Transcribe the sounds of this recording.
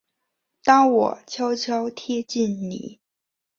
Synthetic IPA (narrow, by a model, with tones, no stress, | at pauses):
t̪ɑ˥ŋwɔ̰˨˩˦t͡ɕʰjɑ˥ʊt͡ɕʰjɑ˥ʊt̪ʰjɛ˥t͡ɕi˥˩nnḭ˨˩˦